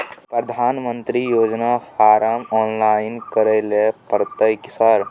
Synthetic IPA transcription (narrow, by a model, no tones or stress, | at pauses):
pɾəd̪ʱaːnmənt̪ɾijoːd͡ʒnafʰaːɾəmɔːnlainkəɾelepəɾt̪əjksəɾ